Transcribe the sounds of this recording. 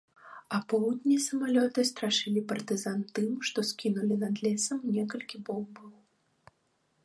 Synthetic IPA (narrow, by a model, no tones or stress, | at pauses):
ɐpɔwd̪ʲnʲisɐmalʲɔt̪ɨst̪ɾaʂɨlʲipɐrt̪ɨzant̪ɨmʂt̪ɔskʲinulʲinɐd̪lʲɛsɐmnʲɛkɐlʲkʲibɔwbɨlˠ